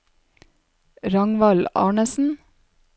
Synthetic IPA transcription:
ɾɑŋʋɑlɑ̰ːɳəsn̩

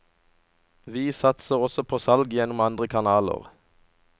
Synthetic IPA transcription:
ʋiːsɑt̪səʁɔsɔpʰoːsɑlɡjɛnʊmɑnd̪ʁəkʰɑnɑːlə̰ʁ

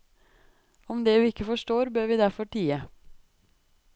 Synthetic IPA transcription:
ɔmd̪eːʋiːɪkːəfɔʂʈoːɾbøːɾʋiːd̪æɾfɔʈʰiːə

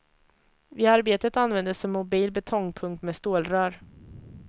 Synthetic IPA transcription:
vɪːaɾbeːt̪ət̪anvɛnd̪əsɔmːʊbiːlbɛt̪ʰɔŋːpʰɵŋk̚t̪mɛːst̪oːlɾœːɾ

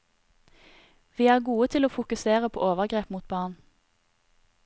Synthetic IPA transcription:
ʋiːæːʁɡuːət̪ʰɪloːfʊkʉseːʁəpʰo̰ːʔoːʋəʁɡʁeːpmuːt̪̚bɑːʁn

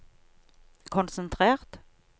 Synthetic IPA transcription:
kʰʊnsənt̪ʰʁeːʁt̪

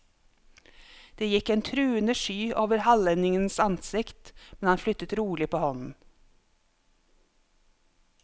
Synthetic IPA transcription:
d̪̥eːjɪkeːnt̪ʰɾʉːənəʃyːʔoːʋəɾhɑlɛnɪŋənsɑnsɪkt̪mɛnhɑnflʏt̪ət̪ɾuːlɪpʰoːhɔnn̩

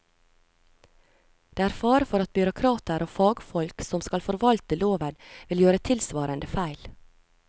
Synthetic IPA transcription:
d̪̥eːæːɾfɑːɾəfɔɾɑt̪̚bʏɾʊkʰɾɑːt̪əɾʔoːfɑːɡfɔlksɔmskɑlfɔɾʋɑlt̪əloːʋənʋɪljøːɾət̪ʰɪlsʋɑːɾənd̪əfæɪl

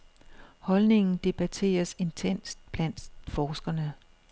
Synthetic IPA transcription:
hɒ̽lne̝ŋn̩d̥e̝b̥æt͡sʰe̝̰ːɐse̝nt͡sʰen̰sd̥̚b̥læn̰d̥fɒːsɡ̥ɐnə

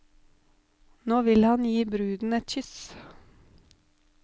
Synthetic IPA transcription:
noːʋɪlhɑnjiːbɾʉːd̪n̩ɛt̪çʏs

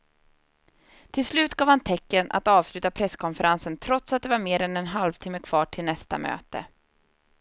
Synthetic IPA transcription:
t̪ʰɪlslʉ̟ːt̪ɡɑːvhant̪ʰɛkːənʔa̰t̪ɑːvslʉ̟ːt̪apʰɾɛsːkʰɔnfəɾʔansənt̪ʰɾɔt̪sat̪̚d̪ɛvaɾmeːɾɛnɛnɦalvt̪ʰɪmːəkʰv̥ɑːʈʰɪlnɛst̪a̰mø̰ːt̪ə̰

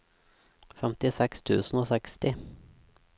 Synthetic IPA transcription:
fɛmt̪ɪsɛkst̪ʰʉ̰ːsn̩oːsɛkst̪ɪ

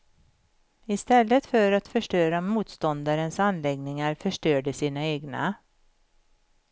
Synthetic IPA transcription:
ɪst̪ɛlːət̪fœɾat̪fœʂʈœːɾamuːt̪st̪ɔnd̪aɾənsanlɛɡnɪŋaɾfœʂʈøːɖəsiːnaeːɡna̰

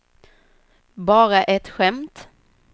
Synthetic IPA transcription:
bɑːɾaʔɛt̪ɧɛmt̪

